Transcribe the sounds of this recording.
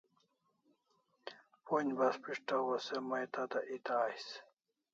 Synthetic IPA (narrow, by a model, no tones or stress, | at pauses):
ponʲbaspiʂʈawosemɐjt̪at̪aʔit̪aːjs